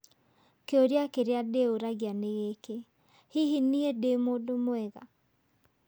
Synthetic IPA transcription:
keoɾjakeɾeadeoɾaɣjaneɣeke | hiɦiniedemodomoɛɣa̰

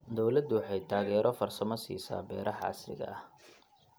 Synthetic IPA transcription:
d̪ɔwlɐd̪ʊwɑħɑjt̪ʰaːɣɛːɾʔɔfɐrsɐmɐsḭːsa̰ːbɛːɾʔɐħʕɑ̰slɪ̰ɣɐ̰ɐh

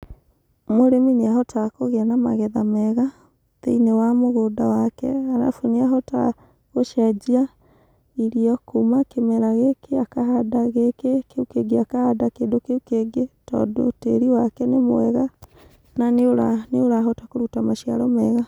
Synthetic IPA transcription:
moɾemineaɦɔtakoɣeanama̰ɣɛðamɛɣa | ðeinewamoɣodawakɛ̰aɾa̰funeaɦɔta̰ | ɣoʃad͡ʒia | iɾiɔkumakemɛɾaɣekeakaɦadaɣekekeukeɡeakahadakeːndokeukeɡetɔ̰ːdo̰tḛɾiwakɛnemo̰ɛɣa | naneoɾaneoɾaɦɔtakoɾutamaʃia̰ɾɔmɛɣa

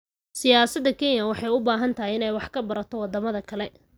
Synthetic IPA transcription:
sɪjaːsɐd̪ːɐkʰɛnjɐwɑħɑjʊbaːɦɐnt̪ʰɐɦɪɪnɛjwɑħkʰɐbɐɾɐt̪ʰɔwɑd̪ɐmɐðɐkʰɐlɛ

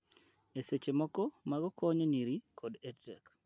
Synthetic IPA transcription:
eset͡ʃemɔkɔmaɡɔkʰɔɲɔniɾikʰɔdedɛ̰k

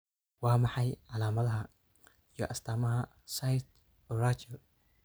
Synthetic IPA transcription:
waːmɑħɑjʕɑlaːmɐðɐɦɐ | ijɔ̰ʔɐst̪ʰaːmɐɦɐ | sajt̪ | ɔrat͡ʃɐl

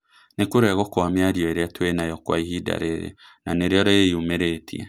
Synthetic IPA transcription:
nekoɾeaɣokwameaɾjɔeɾeatwenajɔkwaiɦida̰ɾeɾḛ | naneɾeɔɾeiomeɾetʰḭɛ̰

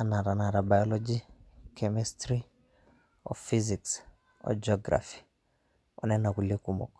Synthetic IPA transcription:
anaɾanaɾabajɔlɔd͡ʒikʰɛmɛstɾi | ɔ̰fiziks | ɔ̰d͡ʒɔɡɾa̰fi̥ | ɔnɛnakulikumɔ̰k

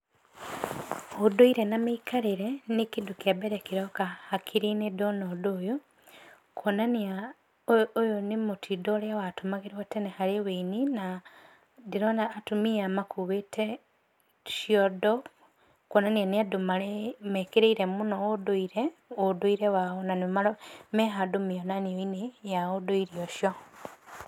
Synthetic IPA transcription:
odoiɾenameikʰaɾeɾenikidukiabeɾekiɾokahakʰiɾinedonodoːjo | kʰonaniaː | jonimutʰidoɾjawatumaɣeɾiwatenehaɾeweinina | diɾonaːtumijamakʰuβetʰe | ʃjodo | kwonanianiadomalemekeɾeiɾemunoodoiɾeodoiɾewaonanimameɦadomijonanioinejaodoiɾioʃjo

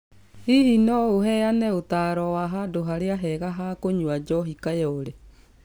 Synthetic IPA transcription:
ihinɔoɦɛjanɛotaːɾɔwaɦadoɦaɾeaɦɛɣaɦakoɲwad͡ʒɔɦikajɛoɾe

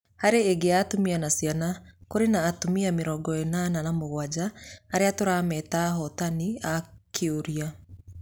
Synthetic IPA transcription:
haɾeːɡeaːtomianasjanakoɾenaːtomiameɾɔːɡɔenananamoɣwad͡ʑaːɾeatoɾamɛtaːɦɔtaniakʰeoɾia

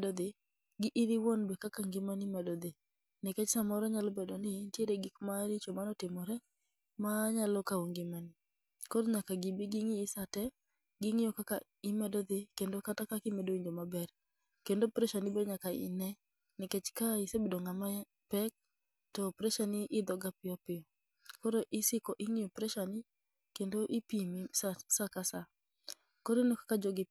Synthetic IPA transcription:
dɔd̪ɪ | ɡɪʔiɾɪwɔnbɛkakaŋɡɪmanɪmɛdɔd̪ɪ | nɪkɛt͡ʃsamɔɾɔɲalɔbɛdɔnɪntjeɾeɡikmaɾɪt͡ʃomanɔtɪmɔɾɛ | maɲalɔkaoŋɡɪmanɪ | kɔɾɲakaɡibiɡɪŋɪːsatɛ | ɡɪŋɪjɔkaka̰ | ɪmɛdɔd̪ɪkendokatakakɪmedowiɲd͡ʒomabɛr | kendopɾɛʃanɪbedɲakaɪ̰nɛ | nɪkɛt͡ʃkaɪsebedoŋamaja | pɛk̚ | tɔpɾɛʃanɪʔɪd̪ɔɡapɪjɔpɪɔ | kɔɾoʔɪsɪkɔʔɪŋijopɾɛʃanɪ | kendoʔipimisasakasa | kɔɾenɔkḁkad͡ʒɔɡɪ

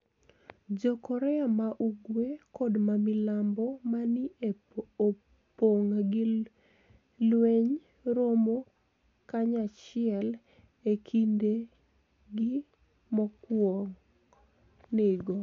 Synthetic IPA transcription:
d͡ʒokɔɾɛamaʔuɡwekɔdmamilambɔmani | poŋɡɪ | lweɲ | ɾomo | kaɲat͡ʃɪɛl | ekʰinde | ɡɪ | mɔkwɔŋ | nɪɡɔ

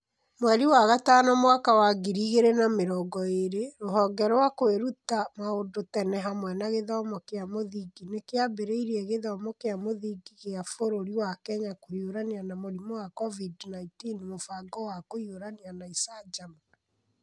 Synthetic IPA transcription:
mwɛɾiwaɣataːnɔmwakawaɡiɾiɣeɾenameɾɔːɡɔeɾeɾoɦɔŋɡɛɾɔwakoeɾutamaodotɛnɛɦamwɛnaɣeðɔmɔkeamoðiɡinekeabeɾeiɾiɛɣeðɔmɔkeamoðiɡiɣeafoɾoɾiwakɛɲakoioɾaneanamoɾimɔwakɔvidnaitinmofaɡɔwakoioɾaneanaisad͡ʒam

